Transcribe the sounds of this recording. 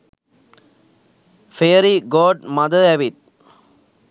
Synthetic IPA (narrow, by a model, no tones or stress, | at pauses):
feːɾiɡoːɖmɐðɐɛʋɪt̪̚